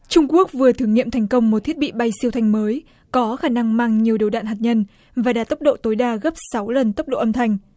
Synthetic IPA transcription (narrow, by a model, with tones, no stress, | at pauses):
t͡ɕʊ˧ŋ͡mku˦˥ək̚vɨ˨˩ət̪ʰɨ˨˧˩əŋḭ˧˨əmt̪ʰɛ˨˩jŋ̟kə˧wŋ͡mmo˨˩t̚t̪ʰi˦˥ət̚ɓḭ˧˨ɓa˧jsi˧əwt̪ʰa˧jŋ̟məː˨˦j | kɔ˨˦xaː˧˩na˧ŋmaː˧ŋɲi˨˩əwɗə˨˩wɗa̰ː˧˨nɦaː˨˩t̚ɲə˧n | vaː˨˩ɗaː˧˩t̪ə˦˥wk͡p̚ɗo̰˧˨t̪o˨˦jɗaː˧˩ɣə˦˥p̚sa˨˦wlə˨˩nt̪ə˦˥wk͡p̚ɗo̰˧˨ʔə˧mt̪ʰa˧˩jŋ̟